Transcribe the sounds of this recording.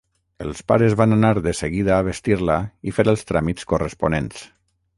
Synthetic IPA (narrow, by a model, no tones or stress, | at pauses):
əlˠspaɾəzβananaɾðəsəɣiðaːβ̞est̪iɾlaifeɾəlˠst̪ɾamit͡skorəsponens